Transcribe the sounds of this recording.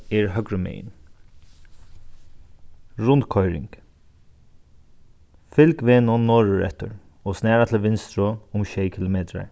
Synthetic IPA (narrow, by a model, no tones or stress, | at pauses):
ɛɹɦœkɾəmɛ̰ːjn | ɹʊnt̪kʰɔjɾɪ̰ŋk | fɪlkʋeːnʊnːɔːɹʊɹɛ̰ht̪ʊ̰ɹ | ɔsnɛːɹat̪ʰɪlʋɪnst̪ɾʊʊmʃɛːjkʰɪlʊmeːt̪ɾa̰ɹ